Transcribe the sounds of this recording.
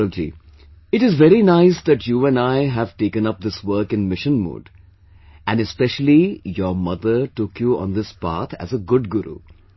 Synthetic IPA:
əd͡ʒḭ | ɪʈɪzʋɛɾinaɪsd̪æʈjuːæ̃naɪɦæv̥ʈeːkə̃nʌp̚d̪ɪswəɾkɪ̃nmɪʃə̃nmṵːɖ | æ̃nɖɨspɛʃəl̩ijəmʌd̪əʈʊkjuɔ̰̃nd̪ɪspa̰ːt̪ʰæ̰zəɡʊɖ̚ɡʊɾṵ

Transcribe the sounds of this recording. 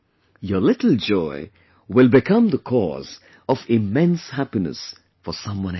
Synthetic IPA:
jəlɪʈl̩ˠd͡ʒɔɪ | wɪlˠbɪkʰʌ̃md̪əkʰɔ̰z | ɔvɪmɛ̃nshæpinə̰s | fəsʌ̃mwʌ̃n

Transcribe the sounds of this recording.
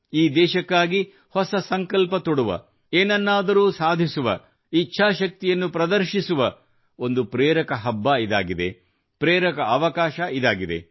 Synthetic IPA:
iːd̪ɛːʃɐkːaːɡi | hɔsɐsɐŋkɐlpɐt̪oɽuʋɐ̰ | eːnɐnːaːd̪ɐɾuːsaːd̪ʱisuʋɐ̰ | it͡ʃːʃʰaːʃɐk̚t̪ijɐnːupɾɐd̪ɐɾʃisuʋɐ | o̞nd̪upɾeːɾɐkɐɦɐbːaid̪a̰ːɡid̪e̞̰ | pɾeːɾɐkɐɐʋɐkaːʃɐʔid̪aːɡid̪e̞̰

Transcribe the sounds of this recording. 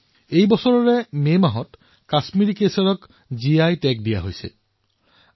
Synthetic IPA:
ejbɔsɔɹɔɹɛmemaɦɔt | kasmiɹikesɔɹɔk | ziajtɛk̚dija̰ɦojsɛ̰

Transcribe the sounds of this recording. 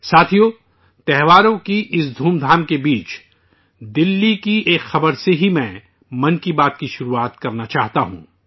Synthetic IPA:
saːt̪ʰijoː | t̪ɛɦʋaːɾõkiʔɪsd̪ʱuːmd̪ʱaːmkebiːt͡ʃ | d̪ɪlːikieːkxɐbəɾseɦimɛ̃ | mɐ̃nkibaːt̪kiʃʊɾuaːt̪kɐɾnat͡ʃaːɦt̪aɦṵ̃ː

